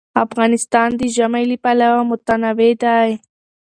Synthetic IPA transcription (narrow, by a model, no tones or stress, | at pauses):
afɣɑnɪst̪ɑnd̪iʒamajlipalawamʊt̪anawed̪aj